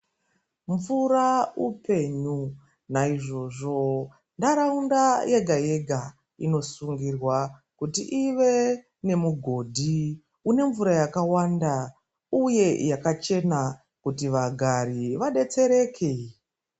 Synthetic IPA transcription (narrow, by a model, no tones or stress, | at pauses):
ɱvuraupe̞ɲu | naiʐo̞ʐo̞ | ndaɾaundaje̞ɡʱaje̞ɡʱa | ino̞suŋɡirwakutḭʔiʋe̞ | ne̞muɡʱo̞dʱi | une̞ɱvuɾajakawanda | uje̞jakat͡ʃe̞na | kutiʋaɡʱaɾiʋaɗe̞t͡se̞ɾe̞kʰe